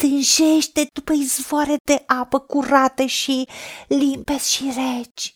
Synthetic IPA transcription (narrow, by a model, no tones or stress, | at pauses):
t̪ɨnʒe̞ʃt̪e̞d̪upəizvoaɾed̪e̞ʔapəkuɾat̪əʃilimpe̞sʲʃiret͡ʃʲ